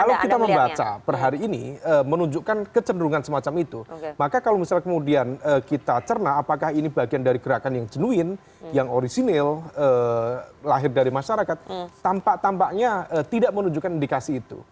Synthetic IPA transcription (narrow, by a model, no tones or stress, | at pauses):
kalawkit̪aməmbat͡ʃa̰bərɦaɾiːnḭəːmənuɲd͡ʒuʔkankət͡ʃəndəɾuŋansəmat͡ʃamit̪umakakalowmisalkəmudianəːkit̪at͡ʃərnaːpakahinibaɡiandaɾiɡəɾakanjaŋd͡ʒənuɪn | jaŋoɾisinɪlə | laɦɪrdaɾimaʃaɾakat̪̚ːampaʔt̪ampaʔɲaət̪idaʔmənuɲd͡ʒuʔkanindikasiːt̪ṵ